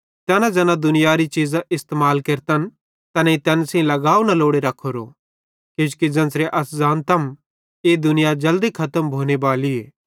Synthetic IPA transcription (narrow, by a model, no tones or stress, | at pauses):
t̪ɛːnãd͡ʒɛːnãd̪ʊnɪjaɾit͡ʃiːzaʔɪst̪emaːlkeɾt̪ən | t̪ɐnẽit̪ɛːnsẽĩlɐɡaːunɐloːɽeɾɐkʰːoɾo̰ | keːd͡ʒkid͡ʒɐ̃nsɾeʔɐszaːnt̪ɐm | eːd̪ʊnɪjad͡ʒɐld̪ikʰɐt̪əmbʱoːnebaːlieː